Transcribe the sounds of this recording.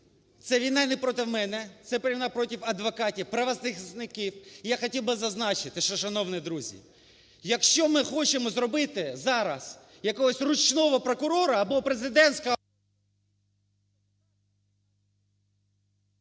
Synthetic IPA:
t̪sɛʋʲijnɑnɛpɾɔt̪ɪwmɛnɛt̪sɛpeɾʲiʋnɑpɾɔtʲiwɐd̪ʋɔkɑtʲiwpɾɐʋɐznɪxznɪkiwjaxɔtʲilˠbɪzɐznɑt͡ʃɪt̪ɪʃɔʃɐnɔwnid̪ɾuzʲḭ | jɐkʃt͡ʃɔmɪxɔt͡ʃemɔzɾɔbɪt̪ɪzɑɾɐ̰s | jɐkɔɦɔsʲrʊt͡ʃnɔʋɔpɾɔkʊɾɔɾɐːbɔpɾezɪd̪ɛnsʲkɐ

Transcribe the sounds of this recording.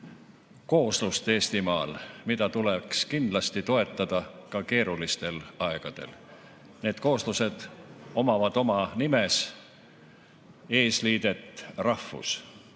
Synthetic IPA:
ko̞ːslust̪e̞ːst̪imɑːlmid̪ɑt̪ulekskind̪̥lɑst̪it̪o̞e̞t̪ːˑɑd̪̥ɑkɑke̞ːɾulist̪e̞lɑeɡ̥ɑd̪̥e̞̰l | ne̞ːd̪̥ko̞ːsluse̞d̪̥o̞mɑvɑd̪̥o̞mɑnimes | e̞ːsliːd̪̥e̞t̪ːˑrɑhfːṵs

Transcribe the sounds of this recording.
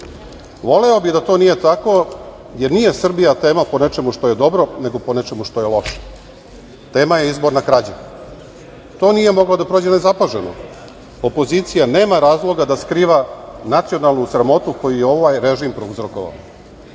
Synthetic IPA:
ʋo̞le̞o̞bid̪at̪o̞ːnije̞t̪ako̞ | je̞ɾnije̞sr̩bijat̪e̞ːmapo̞ne̞t͡ʃe̞muʂt̪o̞je̞d̪o̞bɾo̞ne̞ɡo̞po̞net͡ʃemuʃt̪o̞jelo̞ʃḁ | t̪e̞ːmaje̞izbo̞ɾnakɾad͡ʑe | t̪o̞ːnije̞mo̞ɡlˠad̪apɾo̞ːd͡ʑenezapaʒeno̰ | opo̞ziːt̪sijane̞ːmaɾaːzlˠo̞ɡad̪askɾiːʋanat̪sijo̞nalˠnusɾamo̞t̪uko̞jujeo̞ʋajɾeʒimpɾouzɾo̞koʋa̰o

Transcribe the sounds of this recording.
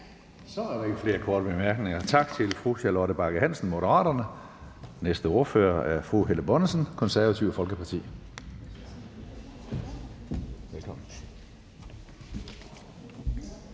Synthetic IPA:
sɒæɾɑeɡ̥əfle̝ːɐkʰɒːd̥əb̥emæɐɡ̥ne̝ŋɐt͡sʰɑ̈ɡ̥̚t͡sʰe̝lfʁuɕælɒɾ̥əb̥ɑ̈ɡ̥əɦæn̰sn̩mo̝ɾəʁɑ̰̈ːɾ̥ɐnə | nesd̥əo̝ɐfø̰ːɐʔæɐfʁuɦeləb̥ɒnəsənkʰɒ̽nsæɐʋæt͡sʰiʊfɒ̽lɡ̥əpʰɑ̈t͡sʰḭː | ʋelkʰɒmn̩

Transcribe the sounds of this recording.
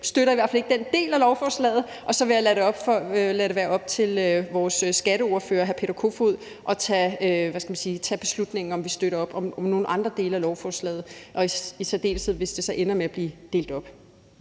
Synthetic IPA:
sd̥øɾɐiʋæɐ̰fæle̝ɡ̥̚d̥end̥e̝̰ːlælɒʊfɒːslɛ̰ːð̩ˠ | ʔɒ̽sɒ̽ʋe̝jalæɾeɒ̽b̥fɒølæɾe̝ʋæːɐɒ̽b̥̚t͡sʰe̝løʋɒːssːɡ̥æɾ̥əo̝ːɐfø̰ːɐɦæpʰe̝ːɾ̥ɐkʰo̝foð̰ˠ | ʔɒ̽t͡sʰɛøʋæskæmænsiːt͡sʰɛb̥e̝slud̥ne̝ŋ̩ɒ̽mʋisd̥øɾɐɒ̽b̥ɒ̽mɒ̽mno̝ːn̩ʔɑ̈nd̥ʁɐd̥e̝̰ːləælɒʊfɒːslɛ̰ːð̞̩ˠʔɒ̽iisæd̥e̝̰ːlsð̩̰ˠʋe̝sd̥e̝sɒ̽ʔenɐmeæb̥liːd̥e̝̰ːld̥ɒ̽b̥

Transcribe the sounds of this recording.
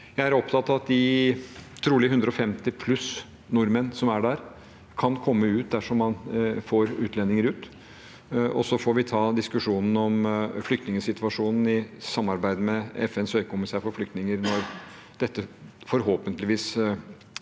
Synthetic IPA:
jæɪæɾɔpt̪ʰɑt̪ːɑʋɑt̪̚d̪ɪ | t̪ʰɾuːlɪəɦʉnd̪ɾəɔfɛmt̪ɪpʰlʉs | nʊɾmənsɔmæɖæɾ | kʰɑnkʰɔmːəʉːt̪̚d̪æʂɔmːɑnfoːɾʉːt̪ʰlɛnːɪŋəɾʉːt̪ | ɔsɔfɔɾʋɪt̪ʰɑːd̪ɪskʉʂuːnn̩ɔmflʏk̚t̪nɪŋəsɪt̪ʋɑʂuːnn̩ɪsɑmːɑɾbæɪd̪mɛɛfɛnsœʏkʰʊmɪseːfɔɾflʏkt̪nɪŋəɾnɔɾ | d̪̥ɛt̪ːəfɔɾɦoːpənt̪lɪʋiːs

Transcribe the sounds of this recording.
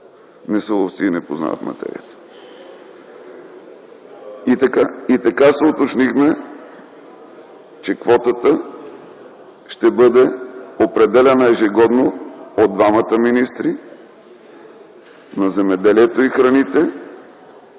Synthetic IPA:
nɛsɛlˠoft̪siːnɛpozna̰və̰t̪mɐ̰t̪ɛ̰ɾḭə̰t̪ə̥ | it̪ɐkait̪ɐkasɛot̪ot͡ʃnixmɛ | t͡ʃɛkvɔt̪ət̪ə | ʃt̪ɛbɤd̪ɛopɾɛd̪ɛlʲɛnəɛʒiɡɔd̪nood̪vamət̪əminist̪ɾi | nɐzɛmɛd̪ɛliɛt̪oixɾɐnit̪ɛ

